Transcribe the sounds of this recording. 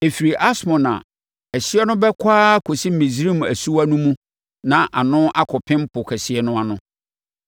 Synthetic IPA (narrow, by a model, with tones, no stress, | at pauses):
e˨fi˨ɾi˨ʔa˦smɔ̃˨nã̰˨ | ɛ˨ɕi˦ɛ˦nʊ̃˦bɛ˦kʷʰaː˦kʰo˨si˦m̩˦mĩ˨zi˨˦ɾĩ˦˨m˨æ̰˨su˦wa˦nũ˦mũ˦ | nã˨ʔa˨nʊ̃˦ʔa˦kʰɔ˨pʰɪ̃˦m˦pʰʊ˨kʰɛ˨sɪ˨ɛ˦nʊ̃˦a˨nʊ̃˦